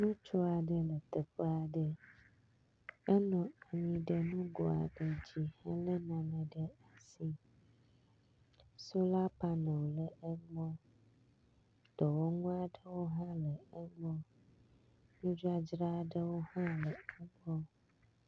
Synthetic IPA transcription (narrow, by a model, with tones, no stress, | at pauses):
nũ˦t͡ʃɔ˦a˨ɖə˦lə˨t̪ə˨ɸə˦a˨ɖə˦ | ɛ˦nɔ̃˨a˨ɲĩ˨ɖə˦nũ˦ɡɔ˨a̰˨ɖə˨d͡ʑi˨ha˦lə˦nã˨nə̃˨ɖə˦a˨si˦ | so˦la˦pa˦nə̃˨wlə˨e˦ŋɡ͡bɔ̃˦ | d̪ɔ˨wo˦ŋũ˦a˨ɖə˦wo˦ɦã˦lə˨ə˦ŋɔ̃˦ | nũ˦d͡ʒa˦d͡ʒɾa˦˨ɖə˦wo˦hã˦lə˨ɛ˦ɡ͡bɔ˦